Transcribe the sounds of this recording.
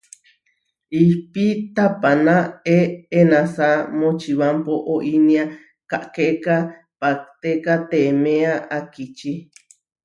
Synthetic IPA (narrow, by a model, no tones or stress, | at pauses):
ihpit̪apanãeenãsamot͡ʃiβampoʔoʔinia | kaʔkeka | pak̚t̪ekat̪emẽaʔakit͡ʃi